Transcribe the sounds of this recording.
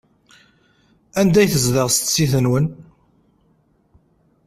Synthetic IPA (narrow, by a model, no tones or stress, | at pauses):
ænd̪æjθəzðəʁst̪siθənwən